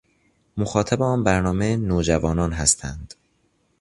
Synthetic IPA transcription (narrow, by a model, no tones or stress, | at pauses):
moxɒːt̪ʰæbeɒːnbæɾnɒːmenoːd͡ʒævɒːnɒːnɦæst̪ʰænd̪̥